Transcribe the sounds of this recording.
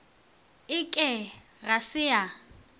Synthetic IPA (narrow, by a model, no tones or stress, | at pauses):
ɪkʼɛɣasɪja